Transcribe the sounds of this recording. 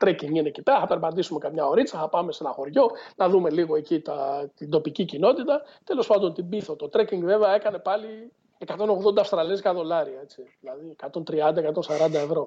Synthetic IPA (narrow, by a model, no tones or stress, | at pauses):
t̪ɾeciŋɡine̞cit̪ɐθɐpe̞ɾbɐd̪isume̞kɐmɲɐo̞ɾit͡sɐθɐpɐme̞se̞nɐxo̞ɾʝo̞nɐðume̞liɣo̞e̞cit̪ɐt̪ind̪o̞picicino̞t̪it̪ɐt̪e̞lo̞spɐnd̪o̞nt̪ibiθot̪o̞t̪ɾeciŋɡve̞veɐe̞kɐne̞pɐli | ekɐt̪o̞no̞ɣðo̞d̪ɐːfst̪ɾɐlieskɐðo̞lɐɾiɐe̞t͡siðilɐðiekɐt̪o̞nt̪ɾiɐnd̪ɐekɐt̪o̞nsɐɾɐnd̪ɐe̞vɾo̞